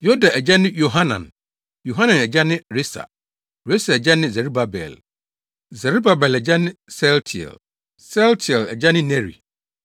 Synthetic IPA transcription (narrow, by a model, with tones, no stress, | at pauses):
jɔ˦da˨ʔɛ˨d͡ʑɛ˦nɪ̃˦jo˨ɦa˦nã̰˨n | jo˨ɦã˦nã˨nɛ˨d͡ʑa˦nɪ̃˦ɾe˦sa̰˨ | ɾe˦sa˨ɛ˨d͡ʑɛ˦nɪ̃˦zɛ˨ɾu˦ba˨bɛ̰˨l | zɛ˨ɾu˦ba˨bɛ˨lɛ˨d͡ʑa˦nɪ̃˦sɛ˦ltʰi˨ɛ̰˨l | sɛ˦ltʰi˨ɛ˨lɛ̰˨d͡ʑa˦nɪ̃˦nɛ̃˦ɾḭ˨